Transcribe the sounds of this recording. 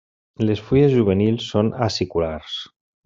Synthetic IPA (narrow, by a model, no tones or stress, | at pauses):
lesfujezʒuβ̞enilˠsːonasikulaɾs